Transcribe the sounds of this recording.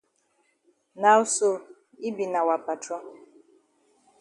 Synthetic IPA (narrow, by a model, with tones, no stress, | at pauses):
na˨ʊ˦so˦ | i˦bi˨na˨wa˨pa˨tɾɔ˦